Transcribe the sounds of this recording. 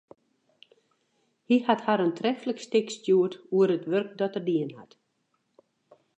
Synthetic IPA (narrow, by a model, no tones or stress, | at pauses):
hihathaɾəntrɛfələkstɪkstjuətuəɾətʋørk̚dɔtərdiənha̰t